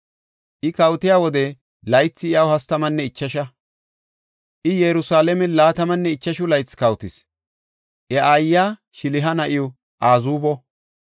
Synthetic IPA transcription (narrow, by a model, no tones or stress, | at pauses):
ʔɪkɐwt̪ɪjaːwɔd̪ɛ | lɐjt͡sːɪɪjɐwhɐst̪ɐmɐnːɛɪt͡ʃːɐʃɐ | ʔɪjɛɾʊsaːlɛmɛlaːt̪ɐmɐnːɛɪt͡ʃːɐʃʊlɐjt͡sːkɐwt̪ɪs | ʔɛʔajːaːʃɪlɪɦɐnɐʔɪjɔ | ʔaːzuːbɔ